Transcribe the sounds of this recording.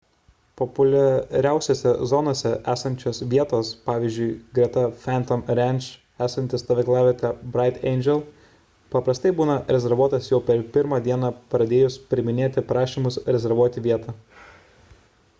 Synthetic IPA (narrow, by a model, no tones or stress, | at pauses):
pɔpʊlʲɛɾʲæˑʊsʲoːsʲɛzɔnoːsʲɛʔæːsɐnʲt͡ʃʲoːsʋʲiɛt̪oːspɑːʋʲiːzʲd͡ʒʲʊɪɡɾʲɛt̪ɐfʲæːnt̪ɔmɾʲɛnʲt͡ʃ | æːsɐnʲt̪ʲɪst̪ɐʋʲɪklˠɑːʋʲɪkɐbɾɑɪt̪ɛ̰ɪnʲd͡ʒʲɛlˠ | pɐpɾɐst̪ɐɪbuːnɐɾʲɛzʲɛɾʋuɔt̪ɐsjɛʊpʲɛɾpʲɪɾmɑːd̪ʲiɛnɑpɾɐd̪ʲeːjʊspʲɾʲɪmʲɪnʲeːt̪ʲɪpɾɑːʃʲiːmʊsɾʲɛzʲɛɾʋuɔt̪ʲɪʋʲiɛt̪ɑ